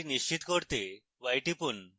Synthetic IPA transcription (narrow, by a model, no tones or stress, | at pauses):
niʃt͡ɕit̪kɔɾt̪e | ʋajʈipun